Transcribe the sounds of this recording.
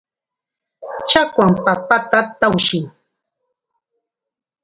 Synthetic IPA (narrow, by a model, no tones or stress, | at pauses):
t͡ʃakwampapat̪at̪awʃɪŋ